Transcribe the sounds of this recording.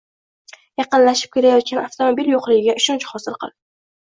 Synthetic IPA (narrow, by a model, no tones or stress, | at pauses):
jɑqɨnlaʃɪ̥p̚kʲe̞ɾajɒt̪̚kʲanaft̪omobiljoqlɪɡʲɪɡʲaʔʊʃɒnt͡ʃχɒsɪlˠqʰɨ̰lˠ